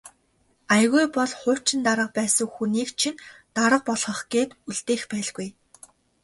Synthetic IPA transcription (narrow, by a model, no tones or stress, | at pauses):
ajɣujpɔɮχʊ̥ːt͡ɕɪ̆nt̪aɾə̆q̚pæːsə̆ŋxuniːkt͡ɕʰint̪aɾə̆q̚pɔɮχɞ̆χɡeːt̪uɮt̪eːxpæːɮɣuj